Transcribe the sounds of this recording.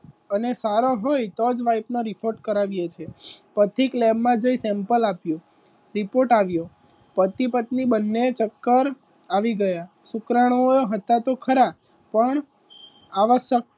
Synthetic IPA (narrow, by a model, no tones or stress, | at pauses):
ənesaɾoɦojt̪od͡ʒʋaipnoɾifʰoɾʈkəɾaʋjet͡ʃʰepət̪ʰiklɛbmãd͡ʒəisɛ̃mpəlapjõ | ɾipoɾʈaʋjo | pət̪ipət̪̚nibənːet͡ʃəkːəɾ | aʋiɡəja | sukɾaɽ̃oɦət̪at̪okʰəɾa | pəɳ | aʋəʃjək̚